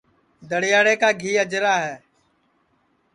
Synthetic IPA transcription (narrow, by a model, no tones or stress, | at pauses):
d̪əɽɪjaːɽeːkaːɡʱiːəd͡ʒɾaːɦɛː